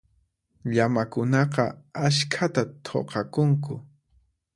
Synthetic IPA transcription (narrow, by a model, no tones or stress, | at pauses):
ʎamakʊnɑqɑaʃkʰat̪at̪ʰo̰qʰɑkʊŋkʊ